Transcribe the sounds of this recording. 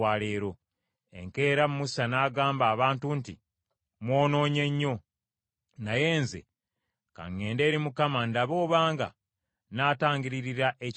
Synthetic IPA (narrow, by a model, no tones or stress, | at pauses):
aːle̞ːɾo̞ | e̞̰ŋke̞ːɾamumusanaːɡaːmbaːβaːntunti | mwo̞ːno̞ːɲe̞ɲːo̞ | naje̞ːnze̞̰ | ka̰ŋːe̞ːnde̞ːɾimukamandaβo̞ːβaːŋɡa̰ | naːtaːɲɟiɾiɾiɾaʔe